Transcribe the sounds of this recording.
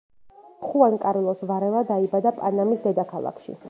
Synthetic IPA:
χuankʼaɾilˠɔsvaɾɛvad̪aibad̪apʼanamisd̪ɛd̪akʰalˠa̰kʰʃḭ

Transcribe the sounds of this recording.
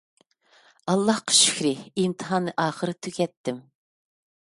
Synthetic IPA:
ɑlˠːɑhqʰə̥ʃy̥kʲɾɪimt̪ʰɨ̥ɦɑnːɨʔɑːχəɾɨt̪ʰykʲɛt̪ːɪm

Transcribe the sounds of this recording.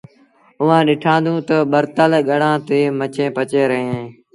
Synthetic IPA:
ʊʋãːɗɪʈʰãːnd̪ũːt̪əɓəɾt̪əlɠəɽãːt̪eːmət͡ʃẽːpət͡ʃeːɾəɦẽː

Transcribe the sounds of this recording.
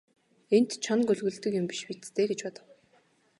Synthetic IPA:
en̥t̪t͡ɕʰɔnkɵɮɣɵ̆ɮt̪ɵ̆kjʊ̆mpi̥ʃpit̪t̪ʰeːɡet͡ɕpɔt̪ə̆w

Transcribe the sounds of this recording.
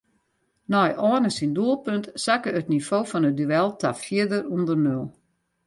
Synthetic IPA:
nɔjʔɔːnəsinduəlˠpøntsakəətnifoːfɔnət̚dyɛlˠtʰafjiədərundərnølˠ

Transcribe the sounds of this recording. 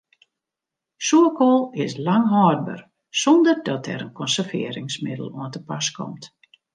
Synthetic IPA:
suəkolˠɪslaŋɦɔːr̚bə̰r | sɔndərdɔtɛ̰ɾənkʰɔnsərvɪ̰əɾɪŋsmɪdəlˠuəntəpaskʰɔ̰mt

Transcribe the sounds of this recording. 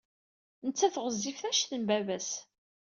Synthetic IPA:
nət͡sːæθʁəzːifθæʃθəmbævæs

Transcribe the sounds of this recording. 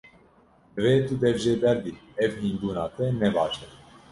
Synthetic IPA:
d̪ɨveːt̪ud̪ɛvʒeːbɛɾd̪iɛvhiːnbuːnɑːt̪ɛnɛbɑːʃɛt

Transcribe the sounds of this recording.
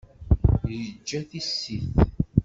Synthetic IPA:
jəd͡ʒːæθisːiθ

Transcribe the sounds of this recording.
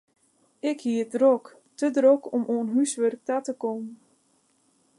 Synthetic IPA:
ɪkhiədrok | tədrokɔmʔoːnɦysʋørk̚tatəkomə

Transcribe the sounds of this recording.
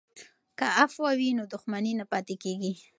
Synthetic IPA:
kaafwawinod̪ʊxmaninapɑt̪ekeɡi

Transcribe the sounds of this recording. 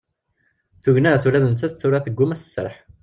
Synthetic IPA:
θuʝnæsulæðənt̪ːæðθʊɾaθəɡʷːʊmæθə̥sːə̰ɾˤħ

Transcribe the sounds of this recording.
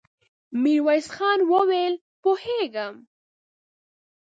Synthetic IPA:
miɾwajsxɑnwəwel | poheɡəm

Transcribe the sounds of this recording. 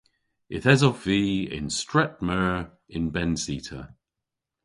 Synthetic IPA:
ɪtɛzɔfviːɪ̰̃nstɹ̥ɛt̚məɹ | ɪ̃nbɛ̃nsiˑtʰə̰

